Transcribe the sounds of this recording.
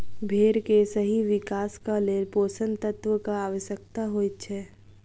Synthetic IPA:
bʱeːɾkesəɦiʋɪkaːskaleːɾpoːsə̃nt̪ət̪wəkaaːʋəʃjək̚t̪aɦoːit̪t͡ʃʰɛː

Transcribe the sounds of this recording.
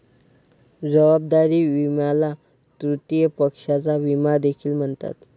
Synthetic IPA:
d͡zəʋab̚d̪aɾiːʋimjala | t̪ɾut̪ijəpəkʂat͡saʋimad̪ekʰiːlm̤əɳt̪a̰t̪

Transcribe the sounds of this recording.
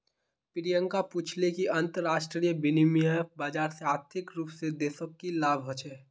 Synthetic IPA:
pɪɾijə̃ŋkapuːt͡ʃʰlekiɐ̃nt̪əɾːaːʃʈɾijəbɪnimijəbaːd͡ʒaːɾseaːɾt̪ʰɪkɾuːpsed̪eːsəkːilaːbʱɦot͡ʃʰɛː

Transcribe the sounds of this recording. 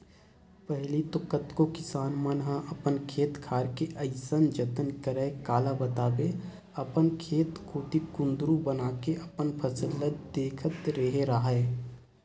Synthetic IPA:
pəɦlit̪ʊkət̪kokɪsaːnmənɦaʔɐpənkʰeːt̪kʰaːɾkeʔɐɪsənd͡ʒət̪ənkəɾəekaːlabət̪aːbe | ɐpənkʰeːt̪kʰuːt̪ikʊ̃nd̪ɾũbənaːkeʔɐpənpʰəsəlːət̪̚d̪eːkʰət̪ɾeɦeɾaːɦaɛː

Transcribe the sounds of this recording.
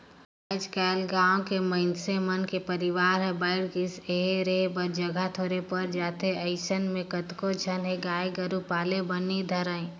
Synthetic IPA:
ad͡ʒkɛːlɡaːõkeməɪnsemənkepəɾɪʋaːɾɦɛbəɪɽkɪseɦeɾeːbəɾd͡ʒəɡʱat̪ʰoːɾepəɾd͡ʒaːt̪eəɪsənmẽkət̪kod͡ʒʰʱənɦeɡaːeɡəɾupaːlebənid̪ʱɐɾəẽ

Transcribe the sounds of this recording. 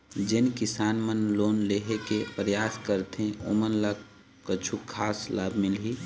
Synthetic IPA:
d͡ʒɪnkɪsaːnmənloːnleɦekepɾəjaːskəɾt̪ẽo̰mənlak | kət͡ʃʰukʰaːslaːbʱmɪlɦi

